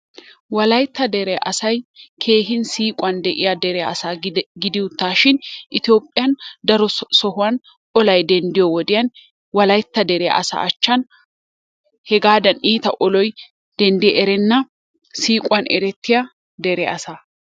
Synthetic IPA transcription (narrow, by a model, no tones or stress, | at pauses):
wɐlɐjt̪ːɐd̪ɛɾɛa̰ʔɐsɐjkʰe̞ːɦɪnsiːkʼʊɐnd̪ɛʔɪjad̪ɛɾɛjaɐsaːɡɪd̪ɪʊt̪ːaːʃɪnʔɪt̪jo̞ːpʼːɪjɐnd̪ɐɾɔsɔhʊwɐn | ɔlɐjd̪ɛnd̪ɪjɔwɔd̪ɪjɐn | wɐlɐjt̪ːɐd̪ɛɾɛjɐ̰ʔɐsa̰ːɐt͡ʃːɐn | hɛɡaːd̪ɐniːt̪ɐʔɔlɔj | d̪̥ɛnd̪ɪɛʔɛɾɛnːɐ | siːkʼwɐnɛɾɛt̪ʰːɪjɐ | d̪ɛɾɛɐsaː